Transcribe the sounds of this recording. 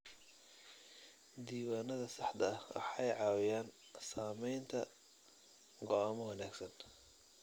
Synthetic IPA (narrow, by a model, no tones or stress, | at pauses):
d̪iːwaːnɐðɐsɑħd̪ɐɐwʔɑ̰ħɑjʕɑːwɪjaːn | saːmɛjnt̪ʰɐ̰ | ɡɔamɐwɑnaːɡsɐn